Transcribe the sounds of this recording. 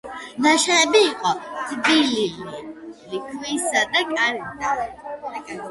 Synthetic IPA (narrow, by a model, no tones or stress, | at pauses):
naʃaɛbiːqʼɔt̪ʼbilililikʰwisad̪akʼaɾɛd̪a